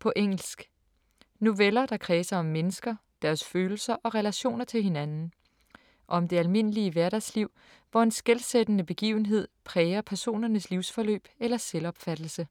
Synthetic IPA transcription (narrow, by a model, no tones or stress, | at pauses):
pʰɒ̽ʔeŋ̰l̩sɡ̥ | no̝ʋelɐd̥ɑ̈kʰʁɛːsɐɒ̽mːenəsɡ̥ɐ | d̥æɐsføːl̩sɐʔɒ̽ʁɛlæɕo̝̰ːnɐt͡sʰe̝lhe̝nænn̩ | ʔɒɒ̽md̥e̝ælme̝n̰əliəʋæɐɾæsliʊ̰ | ʋɒe̝nsɡ̥elsed̥ənəb̥e̝ɡ̥ḭːʊn̩ɦe̝ð̰ˠpʰʁɛːɐpʰæɐso̝̰ːnɐnəsliʊsfɒ̽lø̰ːb̥elɐselɒ̽b̥fæd̥l̩sə